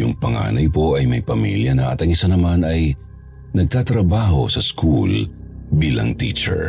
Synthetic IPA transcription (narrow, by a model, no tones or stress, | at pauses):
jʊŋpɐŋa̰ːnɐjpo̞ʔɐjmɐjpɐmḭljɐnɐʔɐt̪ɐŋɪsanɐmanɐj | nɐɡ̚t̪aːt̪ɾɐbaːɦo̞̰sɐskʰṵl | biːlɐ̰ŋt̪ḭːt͡ʃɛ̰ɹ